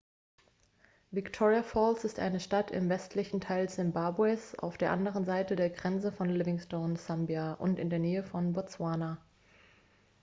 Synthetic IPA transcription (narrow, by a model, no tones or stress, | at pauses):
vɪktʰɔʁiafɔlsɪstʔa̰ɪnəʃtatʰɪ̰mvɛstʰlɪçn̩tʰaɪlz̥ɪmbabwɛsa̰ʊfd̥eːɐʔandəʁ̞ənzaɪtədeːɐɡʁɛnt͡səfɔnlɪvɪŋstoʊnz̥ambjaʔʊ̰ntɪndeːɐneːəfɔnbɔt͡swaːna